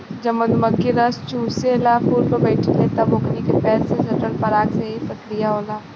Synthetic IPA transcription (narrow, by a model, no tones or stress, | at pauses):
d͡ʒɐbmɐd̪mɐkːiɾɐst͡ʃuːselaːfuːɾpɐbɛːʈʰelet̪aboːknikepɛːlsesɐʈəlpɐɾaːkseɦipɐt̪lijaɦoːlaː